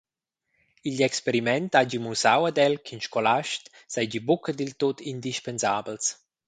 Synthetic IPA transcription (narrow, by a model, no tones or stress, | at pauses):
iʎɛkspeɾimɛntad͡ʒimusawad̪ɛlkʰinʃkolaʃt | sajd͡ʒibukəd̪ilt̪ot̪ind̪iʃpenzaːbəls